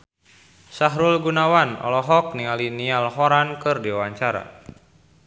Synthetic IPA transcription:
saɦɾulɡunawanɔ̰lɔɦɔk̚niŋalinialɦɔɾankɨrdiwaɲt͡ʃaɾa̰

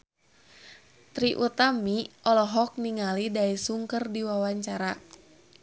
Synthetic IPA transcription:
t̪ɾiʔut̪amiʔɔlɔɦɔk̚niŋalidaisuŋkərdiwawaɲt͡ʃaɾa

